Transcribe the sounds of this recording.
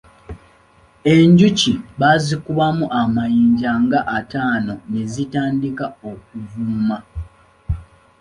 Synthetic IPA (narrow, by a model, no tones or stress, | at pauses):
e̞ɲɟuciβazikuβamuʔamajiːɲɟaŋɡaʔːtaːno̞nezitaːndikaok̚uvuma